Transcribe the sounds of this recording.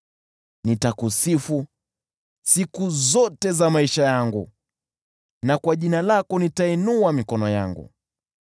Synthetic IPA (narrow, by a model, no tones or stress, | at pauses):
nitakusifu | sikuzɔtɛzamaiʃajaŋɡu | nakwaʄinalakɔnitaɛnuamikɔnɔja̰ŋɡṵ